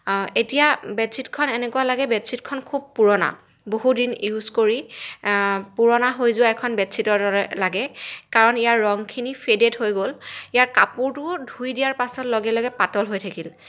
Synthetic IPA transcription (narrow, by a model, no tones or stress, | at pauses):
etijabɛtsʰitkʰɔnɛnɛkuwalaɡɛbɛtsit̚kʰɔnkʰub̚puɹɔna̰ | boɦudinjuzkoɹi | puɹɔnaɦojzʊwaɛkʰɔnbɛtsʰitɔɹdɔɹɛlaɡɛkaɹɔnijaɹːɔŋkʰinipʰedɛtɦojɡolijaɹkapuɹtʊdʱujdijaɹpasɔtlɔɡɛlɔɡɛpatɔlɦojtʰakil